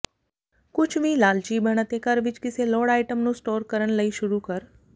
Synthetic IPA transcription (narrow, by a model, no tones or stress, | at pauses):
kʊt͡ʃʰʋĩːlaːlt͡ʃiːbəɽ̃ət̪ekəɾʋɪt͡ʃkɪseloːɽaːɪʈəmnũsʈoːɾkəɾəɽ̃ləiʃʊɾukəɾ